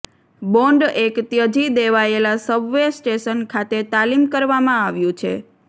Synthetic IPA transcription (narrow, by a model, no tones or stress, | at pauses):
bɔɳɖekt̪jəd͡ʒid̪eʋaelasəbʋesʈeʃənkʰat̪et̪alimkəɾʋamãaʋjũt͡ʃʰḛ